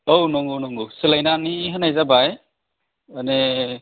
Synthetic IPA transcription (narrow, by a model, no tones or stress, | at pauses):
ownɔŋɡunɔŋɡusɯlajnaniɦɯnajzabaj | ane